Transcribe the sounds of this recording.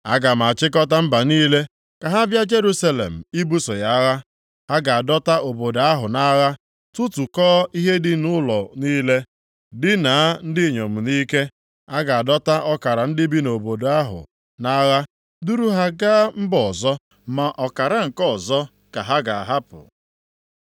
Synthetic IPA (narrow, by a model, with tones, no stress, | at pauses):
a̰˦ɡa˨m˨a˨a˨t͡ʃɪ˦k̬ɔ˦ta˦m̩˦ba˨niː˦le˦ | ka˨ɦa˦bja˦d͡ʒe˦ɾu˦sa˦lḛ˨m̩˨i˦bu˦sɔ˨ja˦a˦ɣa˦ | a˦ɡa˨a˨dɔ˦ta˦ʔo˨bo˨da˦ɦʊ˨na˦ɣa˦ | tu˦tu˨kɔː˦i˦ɦe˦dɪ˦nʊ˦lɔ˨niː˦le˦ | dɪ˦na˨a˦n̩˦dɪ˦˨ɲo˨m̩˨niː˦ke˦ | a˦ɡa˨a˨dɔ˦ta˦ʔɔ˦ka˨ɾa˨n̩˦dɪ˦bi˦no˨bo˨da˦ɦʊ̰˨ | na˦ɣa˦ | du˦ɾu˦ɦa˦ɡaː˦m̩˦bɔ˨zɔ˦ | ma˨ʔɔ˨ka˨ɾa˦ŋ̩˨kɔ˦ɔ˨zɔ˦ | ka˨ɦa˦ɡa˨a˨ɦa˦pʊ̰˨